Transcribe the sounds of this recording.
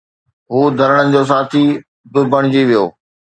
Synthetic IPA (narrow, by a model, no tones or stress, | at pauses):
ɦuːd̪ʱɐɾəɽ̃ənɪ̆d͡ʑoːs̬aːt̪ʰi | bɪbəɽ̃d͡ʑiʋijo̰ː